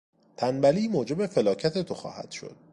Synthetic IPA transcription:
t̪ʰænbæliːmoːd͡ʒe̞be̞fe̞lɒːcʰæt̪ʰe̞t̪ʰo̞xɒ̰ːhæ̰d̪̥ʃo̰d̪̥

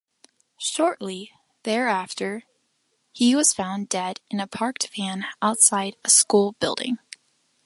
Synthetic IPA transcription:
ʃɔɹʔˡli | ðə˞æftʰə˞ | iwʌz̥fãʊ̃ndɛɾɨ̃nɨpʰɑɹk̚tfæ̃naʊtsaɪɾɨskulˠbɪ̰lˠdɪ̰̃ŋ

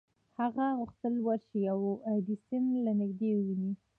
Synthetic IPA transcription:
haɣaɣʊxt̪əlwaɾʃijawad̪isɪnlanɪɡd̪ewəwini

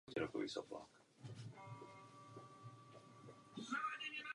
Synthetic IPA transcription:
ciɾɔkɔʋḭːsɔ̰pla̰ːk

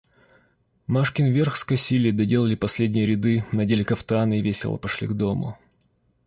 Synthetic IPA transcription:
maʂkʲɪnvʲerxskɐsʲilʲɪd̪ɐdʲe̞lˠəlʲɪpɐsʲlʲedʲnʲɪjəɾʲɪd̪ɨnɐdʲelʲɪkɐft̪ɐanɨɪvʲesʲɪ̰lˠə̰pɐʂlʲḭɡd̪omʊ̰

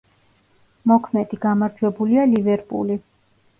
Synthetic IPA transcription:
mɔkʰmɛd̪iɡamaɾt̪ʰwɛbulialivɛɾpʼṵli

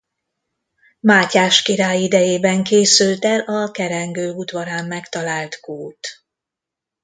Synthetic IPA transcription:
maːcaːʃkiɾaːjid̪ɛjeːbɛŋkeːsylt̪ɛlʔɒkɛɾɛŋɡøːud̪ʋɒɾaːmːɛkt̪ɒlaːlt̪kuːt̪

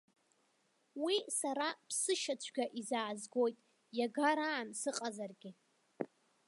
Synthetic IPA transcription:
wisaɾapʰsɨʃat͡ɕʷʰɡʲaʔizaːzɡo̞jtʼ | jaɡaɾaːnsɨqʼazarɡʲɪ

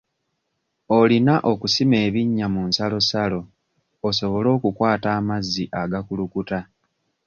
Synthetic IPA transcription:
o̞linaʔo̞kusime̞ːβiɲːamunsalo̞salo̞ː | so̞βo̞lo̞ːkukwaːtaːmazːiʔaɡakulukuta

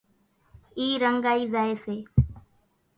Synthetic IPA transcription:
iːɾəŋɡaːiːzaːeːseː

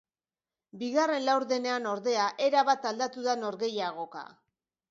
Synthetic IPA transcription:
biɣare̞nlawɾðe̞ne̞ano̞ɾðe̞aʔe̞ɾaβat̪ald̪at̪uðano̞ɾɣe̞jaɣ̞o̞ka̰

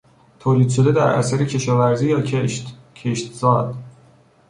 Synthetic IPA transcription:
t̪ʰoːliːd̪̥ʃo̞d̪ed̪æɾʔæ̰sæɾecʰe̞ʃɒːvæɾziːjɒː | cʰeʃt̪zɒːd̪̥

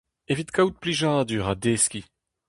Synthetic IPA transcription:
evit̪kawt̪̚pliʒãd̪yːʁad̪eːskʲi

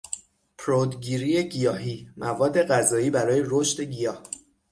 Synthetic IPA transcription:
pʰɾod̪ɡiːɾiːje̞ɡijɒːɦiːmʔævɒːd̪ːe̞ɣæzɒːiːbæɾɒːje̞ɾoʃt̪e̞ɟijɒːh

